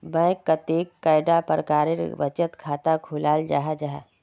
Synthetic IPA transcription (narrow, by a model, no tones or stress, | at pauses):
bɛ̃ːkːət̪eːkːaːɪɖapəɾkaːɾɪɾ̰ʋət͡ʃət̪kʰaːt̪akʰʊlaːld͡ʒa̰ːɦad͡ʒaːɦɛ